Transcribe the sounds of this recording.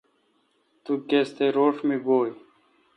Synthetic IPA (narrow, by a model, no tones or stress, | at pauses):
t̪ukeːst̪eɾoːʂmiɡoːj